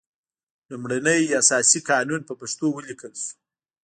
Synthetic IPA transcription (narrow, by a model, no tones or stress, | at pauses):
lumɽanəjasɑsikɑnunpəpaʂt̪owəlikəlsu̥